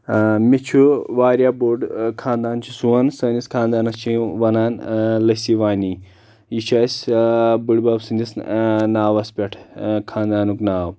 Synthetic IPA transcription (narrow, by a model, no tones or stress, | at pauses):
mit͡ʃʰuʋaːɾʲjaːboːɖkʰãːnd̪aːnt͡ʃʰisuɐnsɐniskʰaːnd̪aːnɐst͡ʃʰĩʋɐnaːnlɐsiʋaːni | jit͡ʃʰaːsʲbɨɽʲbaːbsɨnʲd̪ʲisnaːʋɐspʲɐʈʰkʰãːnd̪aːnuknaːw